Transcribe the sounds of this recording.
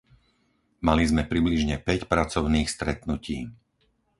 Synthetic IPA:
malizmɛpɾibliʒɲɛpɛcpɾat͡sɔʊniːxst̪ɾɛt̪nuciː

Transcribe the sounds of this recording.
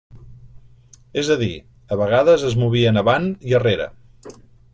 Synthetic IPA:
ezəðḭ | əβəɣ̞aðəzəzmuβ̞iənəβaniəreɾə̰

